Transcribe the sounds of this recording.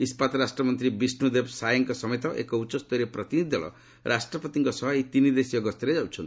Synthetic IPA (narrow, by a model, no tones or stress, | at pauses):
ispat̪ɾasʈɾɔmɔnt̪ɾibisnud̪ebsajɔŋkɔsɔmet̪ɔʔḛkɔut͡ʃːɔst̪ɔɾepɾɔt̪inid̪ʱɔɭɔ̰ | ɾʔasʈɾɔpɔt̪iŋkɔsɔɦejt̪inid̪esiɔɡɔst̪iɾed͡ʒawt͡ʃʰɔnt̪i